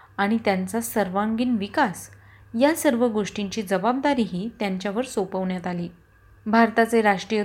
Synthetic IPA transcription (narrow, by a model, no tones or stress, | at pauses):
aɽ̃it̪jant͡sasəɾʋãŋɡiːnʋikas | jasəɾʋəɡoʂʈiɲt͡ɕiːd͡zəbab̚d̪aɾiːɦiːt̪jaɲt͡ɕjaʋəɾsopəʋɳjat̪aliː | bʱaɾt̪at͡seɾaʂʈɾijə